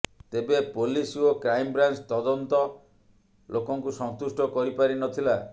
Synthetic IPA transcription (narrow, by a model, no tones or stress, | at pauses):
t̪ebepolisokɾajmbɾant͡ʃt̪ɔd̪ɔnt̪ɔ | lʔokɔŋkusɔnt̪usʈɔkɔɾipaɾinɔt̪ʰila